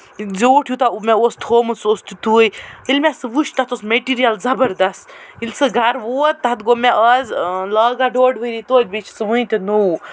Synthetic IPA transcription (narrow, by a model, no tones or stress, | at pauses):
zoːʈʰjut̪aumɛost̪ʰhoːmɨsoːst̪it̪ujilmʲɛsɨʋuʃt̪at̪osmeʈiːɾijɐlzɐbɐɾd̪ɐst̪ilʲsɨɡʱɐɾʋoːt̪̚t̪ːat̪ɡomɛʔəzləːɡaɖoːɖʋɨjɾit̪oːt̚ʲbit͡ʃʰsɨʋɨ̃t̪ʲɐnou